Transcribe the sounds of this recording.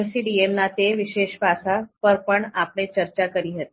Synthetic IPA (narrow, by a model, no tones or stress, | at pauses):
emsiɖiemnat̪eʋiɕeɕbʱasapəɾpəɳapɳ̃et͡ɕəɾt͡ɕakəɾiːɦət̪i